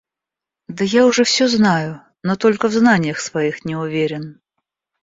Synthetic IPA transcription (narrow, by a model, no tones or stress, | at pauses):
d̪ɐjaʊʐɛfsʲɔznajʊ | nɔt̪olʲkəvznanʲɪjəxsvajixnʲɛʊvʲeɾʲɪn